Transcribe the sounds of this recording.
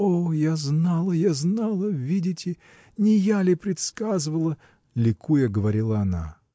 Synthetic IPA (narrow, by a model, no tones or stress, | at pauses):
ojaznalˠəjaznalˠəvʲidʲɪtʲɪ | nʲɪjalʲɪpɾʲɪt̪skazɨvəlˠə | lʲɪkʰujəɡəvɐɾʲilˠəɐna̰